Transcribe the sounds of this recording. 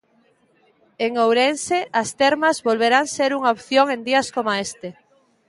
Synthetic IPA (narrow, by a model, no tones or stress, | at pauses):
eŋowɾenseʔɐst̪eɾmɐzβolβeɾaŋseɾuŋaopθjoŋend̪iɐskomaest̪e